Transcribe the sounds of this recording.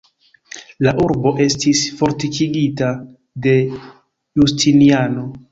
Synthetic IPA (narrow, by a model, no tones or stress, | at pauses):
laʔuɾbo̞ʔe̞stisfo̞ɾtikʰiɡita | de̞ | justʰiniano̞